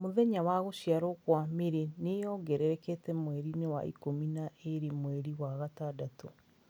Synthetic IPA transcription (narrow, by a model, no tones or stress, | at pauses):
moðɛɲawaɣoʃiaɾɔkwameɾenejɔɡɛɾɛɾɛketɛmwɛɾinewa̰ḭkominaʔeɾimwɛɾiwaɣatadato